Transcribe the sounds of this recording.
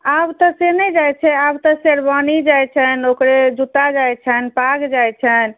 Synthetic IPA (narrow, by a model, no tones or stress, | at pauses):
abt̪əsenɛd͡ʒajt͡ʃʰɛabt̪əseɾbanid͡ʒajt͡ʃʰɛnokɾed͡ʒut̪ad͡ʒajt͡ʃʰɛnpaɡd͡ʒajt͡ʃʰɛn